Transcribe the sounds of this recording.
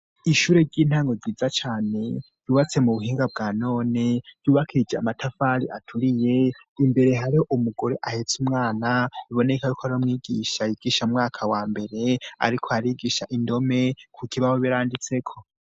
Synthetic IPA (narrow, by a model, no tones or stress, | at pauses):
iʃuːɾe̞ɾɟiːn̥haːŋɡo̞ɟiːd͡zat͡ʃaːne̞ | juːβat͡se̞muβuɦiːŋɡabɡaːno̞ːne̞juːβakʰiid͡ʒeamatʰafaːɾḭʔatʰuɾije̞ | imbe̞ɾe̞ɦaɾihoʔumuɡoɾeʔahet͡sumŋaːnaβiβo̞ne̞kajukʰoaɾiomŋiːɡiːʃajiɡ̥iʃaumŋaːkʰawaːmbe̞ɾe̞a̰ɾikʰoaɾiːɡiːʃaʔindo̞me̞kʰukʰiβaho̞βiɾaːndit͡se̞kʰo̞